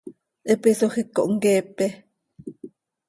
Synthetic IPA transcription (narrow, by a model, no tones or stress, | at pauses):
ʔəpisoxikːo̰ʔŋkeːpe